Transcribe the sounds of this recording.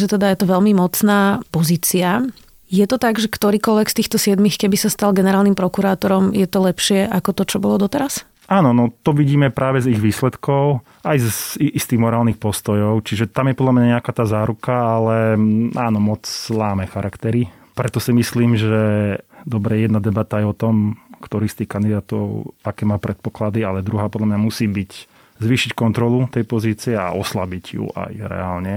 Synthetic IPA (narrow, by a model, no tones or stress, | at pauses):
ʒɛt̪ɛd̪ajɛt̪ɔʋɛlmimɔt͡snaːpɔziːt͡sia | jɛt̪ɔt̪aɡʒɛkt̪ɔɾiːkɔlʋɛkst̪iːxt̪ɔsɪɛd̪mixkɛbisast̪alɡɛnɛɾaːlnimpɾɔkuɾaːt̪ɔɾɔmjɛt̪ɔlɛpʃɪɛʔakɔt̪ɔt͡ʃɔbɔlɔd̪ɔt̪ɛɾas | aːnɔnɔt̪ɔʋiɟiːmɛpɾʔaːʋɛziɣʋiːslɛt̪kɔʊ | ajziist̪iːɣmɔɾaːlnixpɔst̪ɔjɔʊt͡ʃiʒɛt̪amjɛpɔd̪lamɲaɲɛakaːt̪aːzaːɾukaalɛaːnɔmɔt͡slaːmɛxaɾʔakt̪ɛɾi | pɾɛt̪ɔsimisliːmʒɛd̪ɔbɾɛjɛjɛd̪nad̪ɛbat̪aajɔt̪ɔmkt̪ɔɾiːst̪iːxkand̪id̪aːt̪ɔ̰ʊakɛːmaːpɾɛt̪̚pɔklad̪ialɛd̪ɾuɦaːpɔd̪lamɲamusiːbic | zʋiːʃickɔnt̪ɾɔlut̪ɛjpɔziːt͡siɛa̰ʔɔslabiɟjṵʔa̰jɾɛ̰aːlɲɛ